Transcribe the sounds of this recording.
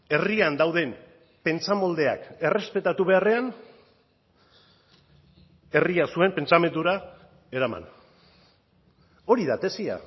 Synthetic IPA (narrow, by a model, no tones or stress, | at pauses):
e̞riand̪awðe̞m | pe̞nt͡samo̞ld̪e̞a̰ke̞re̞spe̞t̪at̪uβe̞are̞an | e̞riasue̞mpe̞nt͡same̞nd̪uɾa | e̞ɾama̰n | o̞ɾiðat̪e̞sia̰